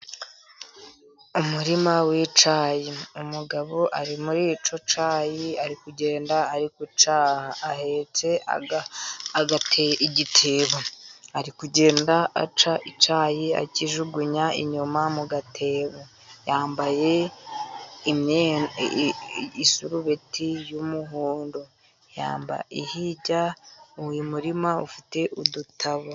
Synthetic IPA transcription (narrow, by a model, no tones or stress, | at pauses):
umuɾimawit͡ʃaːjiumuɡaβo̞ʔaɾimuɾit͡ʃo̞t͡ʃaːjiaɾikuɟe̞ːndaːɾikut͡ʃaːhaːhet͡se̞a̰ | ɡatʰeiɟitʰeːβaaɾikuɟe̞ːndaa̰t͡ʃaʔit͡ʃaːjia̰ciʒuɡuɲaḭɲumamuɡatʰe̞ːβo | jaːmbaje̞ | imɲe | isuɾuβetʰijumuɦuːndo | ja̰ːmba̰ʔihiɟauwimuɾimaufi̥te̞ʔudutaβo